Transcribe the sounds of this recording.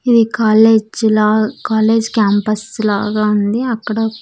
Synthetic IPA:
id̪ikaːleːd͡ʒlaːkaːle̞ːd͡ʒkaːmpɐslaːɡaːund̪iɐkːɐɽɐ

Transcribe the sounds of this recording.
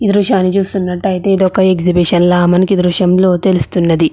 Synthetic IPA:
id̪ɾuʂaːnːit͡ʃuːst̪unːɐʈːɐjit̪eːd̪ɔkːɐe̞ksibiʂɐnlaːmɐnikid̪ɾuʂɐmlo̞ːt̪e̞lust̪unːɐd̪i

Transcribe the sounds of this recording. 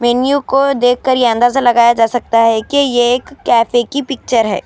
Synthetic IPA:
mɛːnjukod̪eːk̚ʰːɐɾjeɐ̃nd̪aːzalɐɡaːjad͡ʒaːsɐk̚t̪aɦɛkejeːkːɛːfekipɪk̚t͡ʃəɾɦɛ̰ː

